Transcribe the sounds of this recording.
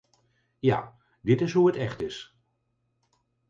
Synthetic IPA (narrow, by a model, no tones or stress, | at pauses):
ja̰ː | dɪtɪsɦuətɛχtɪs